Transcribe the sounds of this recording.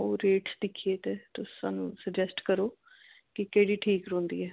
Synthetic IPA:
oːɾeːʈsd̪ɪkʰːijeːt̪eːt̪ʊsːa̰ːnṵ̃ːsəd͡ʒɛsʈkəɾoː | kɪkəɽiːʈʰiːkɾõːnd̪ḭːɛː

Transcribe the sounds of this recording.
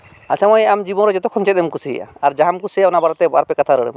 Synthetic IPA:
asamɔjamd͡ʒibɔnɾɔd͡ʒɔt̪ɔkʰɔnt͡ʃɛt̪̚ɛmkusḭja̰aɾd͡ʒaɦamkusijaɔnabaɾɔt̪ɛbaɾpɛkat̪ʰaɾəɽɛ̰m

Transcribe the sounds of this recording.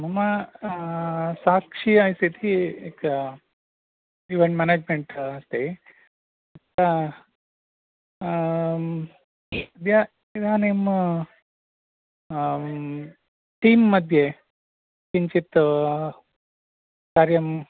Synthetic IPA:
mɐma | sakʂiajsit̪ʰiek | iʋeɳʈmaned͡ʒmeɳʈɐst̪e | ɐt̪ːa | d̪ʱjɐ | id̪ʱaːnem | ʈiːmːɐd̪ʱje | kiɲt͡ʃit̪ | kaːɾjɐm

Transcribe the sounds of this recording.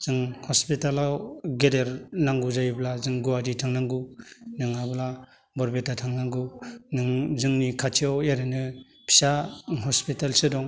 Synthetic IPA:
z̥ɯŋhɔspitalawɡedeɾnaŋɡuzajblazɯŋɡuwaditʰaŋnaŋɡunɯŋabla | bɔɾbetatʰaŋnaŋɡunɯŋzɯŋnikʰat͡ʃʰiaweɾɯnɯ | pʰi̥saɦɔspitalsɯdɔŋ

